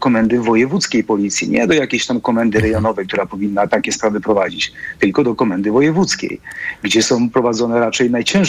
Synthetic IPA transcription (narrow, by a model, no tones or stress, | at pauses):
kɔmɛnd̪ɘvɔjɛvut̪skʲejpɔlʲit̪sʲjḭɲɛ̰d̪ɔjakʲejɕt̪amkɔmɛnd̪ɘɾɛjɔnɔvɛjkt̪uɾapɔvʲinːat̪akʲɛspɾavɘpɾɔvad͡ʑit͡ɕt̪ɘlkɔd̪ɔkɔmɛnd̪ɘvɔjɛvut̪skʲḛjɡd͡ʑɛsɔ̃w̃pɾɔvad̪zɔnɛɾat͡ʂɛjnajt͡ɕɛ̃